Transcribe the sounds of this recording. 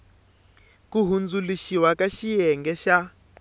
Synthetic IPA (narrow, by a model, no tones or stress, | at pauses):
kuɦund͡zuliʃiwakaʃijɛŋɡɛʃa